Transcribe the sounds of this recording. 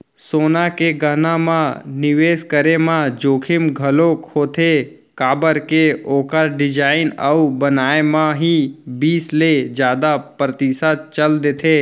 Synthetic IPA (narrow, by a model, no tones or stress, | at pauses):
soːnakeɡənãmãnɪʋeːskəɾemãd͡ʒoːkʰɪmɡʱəlokhoːt̪ʰe | kaːbəɾkeoːkəɾɖɪd͡ʒaːɪnəubənaːemãɦibiːsled͡ʒjaːd̪apɾət̪isad̪̚t͡ʃəld̪et̪ʰeː